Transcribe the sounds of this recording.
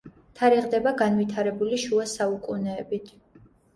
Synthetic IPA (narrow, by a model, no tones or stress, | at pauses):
t̪ʰaɾiʁd̪ɛbaɡanwit̪ʰaɾɛbuliʃuasaukʼunɛːbit̪ʰ